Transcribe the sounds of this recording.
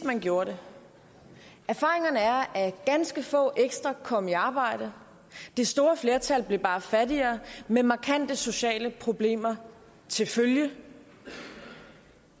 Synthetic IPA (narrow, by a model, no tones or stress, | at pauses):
mænɡ̥jo̝ːɐɾe̝ | æɐfɑ̈ːʁeŋɐnəæɐæɡ̥ænsɡ̥əfɔ̰̽ːʔeɡ̥sd̥ʁɐkʰɒ̽m̰əiɑ̈ːb̥ɑ̈ɪ̰d̥ə | d̥esd̥o̝ːɐfle̝ːɐt͡sʰælb̥le̝b̥ɑ̈ːfædiɐːmemɑ̈kʰæn̰d̥əso̝ɕɛ̰ːləpʰʁo̝b̥le̝̰ːmɐ | t͡sʰe̝lføljə